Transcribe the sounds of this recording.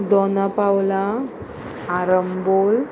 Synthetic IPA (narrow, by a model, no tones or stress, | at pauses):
d̪ɔnapawla | aɾəmbol